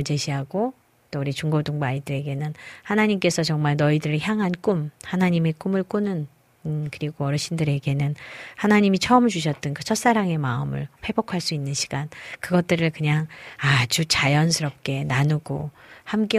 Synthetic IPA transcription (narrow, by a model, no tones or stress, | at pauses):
t͡ɕe̞ɕʰiɦaɡo | t͈ouɾit͡ɕuŋɡodoŋbaidɯɾe̞ɡe̞nɯnhanaɲimk͈e̞sʰʌt͡ɕʌŋmaɭnʌidɯɾɯçjaŋɦank͈umhanaɲime̞k͈umɯɭk͈unɯn | kɯɾiɡoʌɾʌɕ͈ʰindɯɾe̞ɡe̞nɯnhanaɲimit͡ɕʰʌɯmt͡ɕuɕ̬ʰʌt̚t͈ɯnkɯt͡ɕʰʌt̚s͈aɾaŋe̞maɯmɯ̰ɭɸwe̞bokʰaɭs͈uinːɯnɕʰi̥ɡ̥ankɯɡʌt̚t͈ɯɾɯɭkɯɲaŋad͡ʑut͡ɕajʌns̬ʰɯɾʌp̚k͈e̞nanuɡohamk͈e